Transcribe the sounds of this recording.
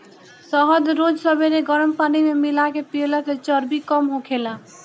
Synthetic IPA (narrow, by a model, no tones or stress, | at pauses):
sɔɦəd̪ɾod͡ʒsəbeɾeɡʌɾəmpanimemilakepieləset͡ʃʌɾbikɔmɦokʰela